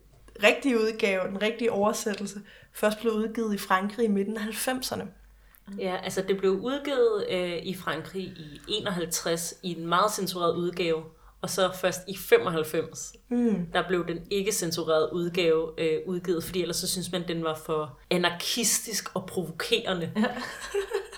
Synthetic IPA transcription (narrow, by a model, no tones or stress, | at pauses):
ʁeɡ̥̚d̥iəuð̞ˠɡ̥ɛːʊd̥enʁeɡ̥̚d̥iəʔɒʊɐsed̥l̩səfɶɐsd̥b̥le̝uð̞ˠɡ̥iːð̩ˠifʁɑ̈ŋɡ̥ʁiime̝d̥n̩ɦælfem̰sɐnə | jæʔælsəd̥e̝b̥le̝ʊʔuð̞ˠɡ̥iːð̞̩ˠøifʁɑ̈ŋɡ̥ʁḭːiʔe̝̰ːnɒ̽ɦælt͡sʰʁasienmɑ̈ːð̞̩ˠsensuʁḛɐ̰ðˠuð̞ˠɡ̥ɛːʊ | ɒ̽sɒ̽fɶɐsd̥ifem̰ɒ̽ɦælfem̰s | d̥ɑ̈b̥le̝ʊd̥ene̝ɡ̥əsensuʁḛɐðˠuð̞ˠɡ̥ɛːʊøuðˠɡ̥iːð̩ˠfɒd̥ḭːel̰ɐsːɒ̽syns̬mænd̥enʋɑ̈fɒ̽ænɑ̈kʰisd̥isɡ̥ɒ̽pʰʁo̝ʋo̝kʰe̝̰ːɐnə